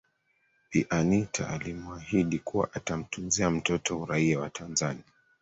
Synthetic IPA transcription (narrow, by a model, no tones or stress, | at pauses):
iʔanitʰa̰alimuahiɗikuwa̰ʔatam̩tunziam̩tɔtɔuɾaiawatʰanzania